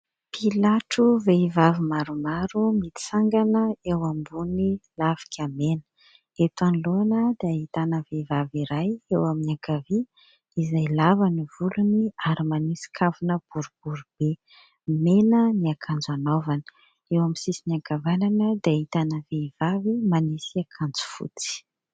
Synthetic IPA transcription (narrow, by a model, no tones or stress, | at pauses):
pʰilaʈ͡ʂuveivavimaɾumaɾumit̪i̥saŋɡanəewambunilavi̥kʰʲamenə̥ | et̪aniluanəd̪̥ait̪anəvevaviɾajewaminaɡavi | izajlavanivuluniaɾimanisi̥kʰavunəb̥uɾub̥uɾub̥e | menəniakʰand͡zanovanə̥ | ewamisisiniaɡavananəd̪eait̪anəvev̥avimanisiakʰand͡zu̥fṵt͡si̥